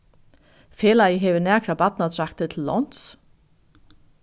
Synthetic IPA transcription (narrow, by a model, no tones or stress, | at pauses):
feːlajəɦɛːvɪnæːkʰɾabat̪̚nat̪ʰɾak̚t̪ət̪ʰɪlːɔ̰n̥t̪s